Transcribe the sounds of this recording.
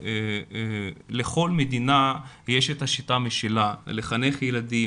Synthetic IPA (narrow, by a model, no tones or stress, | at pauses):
e | le̞χo̞lmed̪ina | jeʃet̪aʃitameʃelaleχane̞χjelad̪i